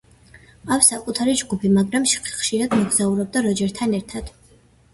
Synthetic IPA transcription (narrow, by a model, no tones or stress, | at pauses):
afsakʼut̪ʰaɾid͡ʒɡupʰimaɡɾamʃχχʃiɾad̪mɔɡzauɾɔb̚d̪aɾɔd͡ʒɛɾt̪ʰanɛɾt̪ʰad̪̥